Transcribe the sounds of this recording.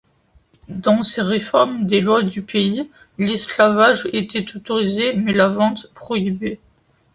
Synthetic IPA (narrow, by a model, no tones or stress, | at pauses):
d̪ɑ̃seʁefɔʁmd̪elwad̪ypei | lislavaʒet̪ɛt̪ot̪ɔʁizemɛlavɑ̃t̪pχɔibe